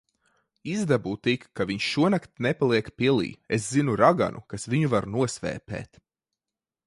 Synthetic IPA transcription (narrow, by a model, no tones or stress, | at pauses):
izd̪abuːt̪ikːaviɲʃʃuɔnakt̪nepalˠiɛkpiɛlˠḭːes̬zinuɾaɡa̰nʔṵkasviɲuvaɾnuɔsvɛ̰ːpɛ̰ːt̪